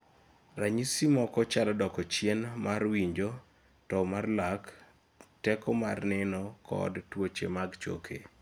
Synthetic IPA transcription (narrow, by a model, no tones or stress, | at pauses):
raɲisimɔkɔt͡ʃalɔdɔkɔt͡ʃjenmarwiɲd͡ʒo | tɔmarlak | tɛkɔmarnɛnɔkʰɔ̰dtwot͡ʃemaɡt͡ʃo̰kʰḛ